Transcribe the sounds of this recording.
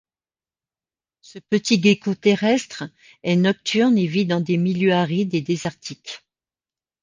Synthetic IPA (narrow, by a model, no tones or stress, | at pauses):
səpət̪iɡekot̪eʁɛst̪χ | ɛnɔk̚t̪yʁnevid̪ɑ̃d̪emiljøaʁidled̪ezaʁt̪ʰik